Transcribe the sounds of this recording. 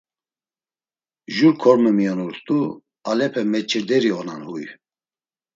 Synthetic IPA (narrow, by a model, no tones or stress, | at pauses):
ʒuɾkʰɔɾmɛmiɔnuɾt̪ʼu | alɛpʰɛmɛt͡ʃʰʼiɾd̪ɛɾiɔnanhuj